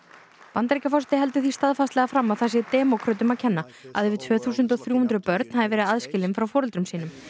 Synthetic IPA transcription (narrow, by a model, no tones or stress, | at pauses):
pant̪ɾecafɔrsɛ̥t̪ɪɦɛlt̪ʏθist̪aðfast̪lɛɣafɾamːaðθas̬jɛt̪ɛːmawkʰɾœːt̪ʏmaðcʰɛnːa | a̰ðɪvɪt̪ʰvœːθuːsʏnt̪ɔθɾjuːhunt̪ɾʏpœɾt̪̚nhaðɪvɛːɾɪðaðscɪːlɪnfɾawfɔːɾʏlt̪ɾʏmsiːnʏm